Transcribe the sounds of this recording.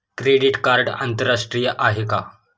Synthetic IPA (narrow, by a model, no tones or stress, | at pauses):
kɾeɽiʈkaɾɖa̰nt̪əɾːaʂʈɾijəʔaɦeka̰